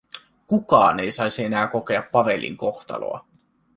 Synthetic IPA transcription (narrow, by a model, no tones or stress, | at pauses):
kukɑ̰ːne̞jsɑjsie̞næːko̞ke̞ɑpːɑʋe̞lʲːḭŋko̞xt̪ɑ̰lo̰ɑ̰